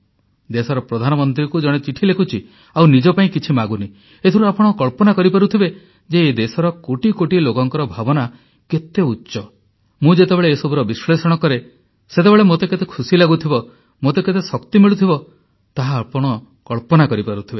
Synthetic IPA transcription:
d̪esɔɾɔpɾɔd̪ʱanɔmɔnt̪̬ɾikud͡ʒɔɽ̃et͡ʃiʈʰilekʰut͡ʃʰi | awnid͡ʒɔpaĩkit͡ʃʰimaɡuni | et̪ʰɔɾuapɔɽ̃ɔkɔɭpɔnakɔɾipaɾut̪ʰibe | d͡ʒeːd̪esɔɾɔkoʈikoʈilokɔŋkɔɾɔbʱabɔna | ket̪euːʃɔ | mũd͡ʒet̪ebeɭeːsɔbʱuɾɔbislesɔɽ̃ɔkɔɾe | set̪ebeɭemot̪eket̪ekʰusilaɡut̪ʰibɔ | mot̪eket̪esɔkt̪imiɭut̪ʰibɔ | t̪aɦaːpɔɽ̃ɔ | kɔɭpɔnakɔɾipaɾut̪ʰibe

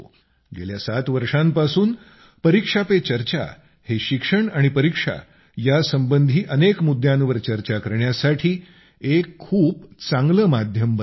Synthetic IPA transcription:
ɡḛljasat̪ʋəɾʂãmpasuːn | pəɾikʂapet͡ɕəɾt͡ɕa̰ | heɕikʂəɳaɽ̃ipəɾikʂa̰ | jasəmbənd̪ʱiːʔənekmud̪ʱːjãnʋəɾt͡ɕəɾt͡ɕakəɾɳjasaʈʰiː | ekʰːuːpt͡sãŋɡləmad̪ʱjəmbə

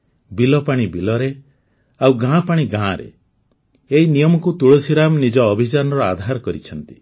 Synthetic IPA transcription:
bilɔpaɽ̃ibilɔɾe | awɡãpaɽ̃iɡãɾḛ | einijɔmɔkut̪uɭosiɾamnid͡ʒɔːbʱit͡ʃanɔɾɔad̪ʱaɾɔkɔɾit͡ʃʰɔnt̪i̥

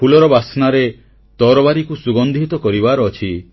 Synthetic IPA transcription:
pulɔɾɔbasnaɾe | t̪ɔɾɔbaɾikusuɡɔnd̪ʱit̪ɔkɔɾibaɾɔːt͡ʃʰi

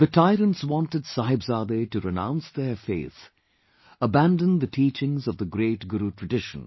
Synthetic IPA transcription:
ðɨtʰaɪɾə̃ntswɑ̃ntɨdsahɪbzaːd̪etɨɾɨnã̰ʊ̃nsðəfḛɪːθ | əbæ̃ndə̃nðɨtʰiːt͡ʃɪ̃ŋzʌvðəɡɾeɪʈɡʊɾutʰɹ̥ɨɖɪʃə̃n̩

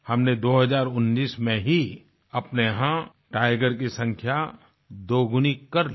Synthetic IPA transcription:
hɐmned̪oːɦɐzaːɾʊnːiːsmẽɦi | ɐpneɦã | ʈaːɪɡəɾk̬isɐ̃ŋkʰja | d̪oːɡʱʊnikɐɾl

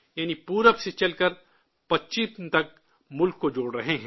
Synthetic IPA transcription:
jaːnipuːɾəbset͡ʃɐlkəɾ | pɐtːʃit̪ɐk̚ | mʊlkːod͡ʒoːɽɾɐɦeɦɛ̃ː

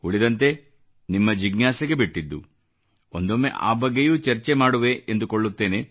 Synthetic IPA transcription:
uɭid̪ɐnt̪e̞ | nimːɐd͡ʒiɡnaːsɐɡe̞biʈːid̪ːu | ond̪omːe̞̰ʔa̰ːbɐɡːejuːt͡ʃɐɾt͡ʃemaːɽuʋe̞ʔend̪ukoɭːut̪ːe̞ːne

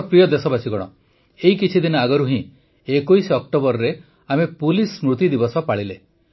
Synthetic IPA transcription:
pɾijɔd̪esɔbasʰiɡɔɽ̃ɔ | eɦikit͡ʃʰid̪inɔaɡɔɾuɦĩ | ekoisɔk̚ʈobɔɾɔɾe | amepulismɾut̪id̪ibɔsɔpaɽile

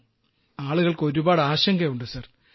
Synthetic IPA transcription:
aːɭuɣɐɭko̞ɾubaːɽaːɕɐŋɡɐjuɳɖɨsɐr

